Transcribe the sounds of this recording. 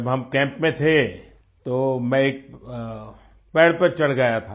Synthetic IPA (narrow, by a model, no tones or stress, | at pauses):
ɐbɦɐmkɛ̃ːmpmẽt̪ʰe | t̪omɛ̃eːk̚ | pɛːɽpɐɾt͡ʃɐɽ̤ɡəjat̪ʰa